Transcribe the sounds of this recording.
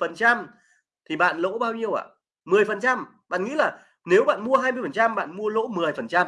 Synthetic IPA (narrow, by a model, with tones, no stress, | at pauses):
fə˨˩nt͡ɕa˧m | t̪ʰi˨˩ɓa̰ː˧˨nlo̰˧˥ɓaː˧wɲi˧əwʔa̰ː˧˨ | mɨ˨˩əjfə˨˩nt͡ɕa˧m | ɓa̰ː˧˨nŋḭ˧˥laː˨˩ | ne˨˦wɓa̰ː˧˨nmu˧əɦaː˧jmɨ˧əjfə˨˩nt͡ɕa˧mɓa̰ː˧˨nmu˧əlo̰˧˥mɨ˨˩əjfə˨˩nt͡ɕa˧m